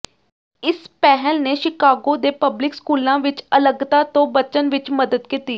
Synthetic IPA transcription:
ɪspɛɦəlneːʃɪkaːɡoːd̪eːpəblɪkskuːlãːʋɪt͡ʃələɡt̪aːt̪õːbət͡ʃənʋɪt͡ʃməd̪əd̪kit̪iː

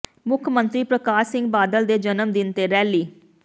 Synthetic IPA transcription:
mʊkʰmə̃nt̪ɾiːpɾəkaːsɪ̃ŋɡbaːd̪əld̪eːd͡ʒənəmd̪ɪnt̪eːɾɛːliː

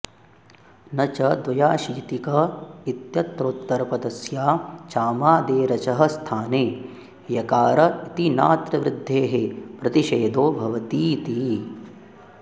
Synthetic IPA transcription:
nɐt͡ʃɐd̪ʋɐjaːʃit̪ikɐit̪jɐt̪ɾoːt̪ːɐɾɐpɐd̪ɐsjaːt͡ʃaːmaːd̪eːɾɐt͡ʃɐɦɐ̆st̪ʰaːneː | jɐkaːɾɐit̪ina̰ːt̪ɾɐʋɾɪd̪ʱːeːɦepɾɐt̪iʃeːd̪oːbʱɐʋɐt̪iːt̪i

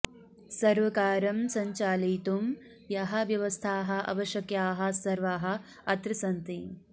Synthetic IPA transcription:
sɐɾʋɐkaːɾɐmsɐɲt͡ʃaːliːt̪um | jɐɦɐ̆ʋjɐʋɐst̪ʰaːɦɐ̆ʔɐ̰ʋɐʃjɐkjaːɦɐ̆sɐɾʋaːɦɐ̆ | ɐt̪ɾɐsɐnt̪i

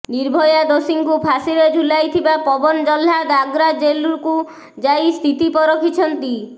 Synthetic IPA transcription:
niɾbʱɔjad̪osiŋkupʰasiɾed͡ʒʱulajt̪ʰibapɔbɔnd͡ʒɔlːad̪aɡɾad͡ʒeluɾku | d͡ʒajst̪ʰit̪ipɔɾɔkʰit͡ʃʰɔnt̪i

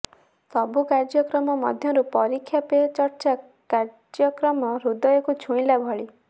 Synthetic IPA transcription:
sɔbukaɾd͡ʒɔkɾɔmɔmɔ̰d̪ʱjɔɾupɔɾikʰːjapet͡ʃɔɾt͡ʃa | kaɾ | d͡ʒɔkɾɔmɔɾud̪ɔjɔkut͡ʃʰũĩlabʱɔɭi

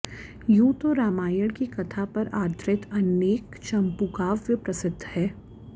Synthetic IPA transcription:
jũːt̪oɾaːmaːjəɽkikɐt̪ʰapɐɾaːɾd̪ɾɪt̪ɐneːkt͡ʃɐ̃mpukaːʋːɪpɾɐsɪd̪ʱːhɛː

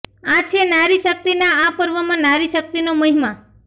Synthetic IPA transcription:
at͡ʃʰenaɾiʃək̚t̪inaapəɾʋəmãnaɾiʃək̚t̪inoməɦima

